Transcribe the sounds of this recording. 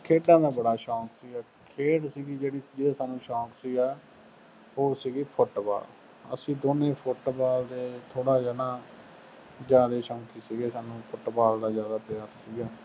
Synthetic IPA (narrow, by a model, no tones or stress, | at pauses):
kʰeːʈãːd̪aːbəɽaːʃɔːksiːɡaː | kʰeːɽsiːɡiːd͡ʒeːɽiːd͡ʒeːaːsaːnũːʃɔːksiːɡaː | oːsiːɡiːpʰʊʈba̰ːl | ə̰sĩːd̪oːnẽːpʰʊʈbaːld̪eːt̪ʰoːɽaːzaːd̪aː | d͡ʒjaːd̪eːʃɔ̃ːkiːsiːɡeːsaːnũːpʰʊʈbaːld̪aːzjaːd̪aːpjaːɾsiːɡaː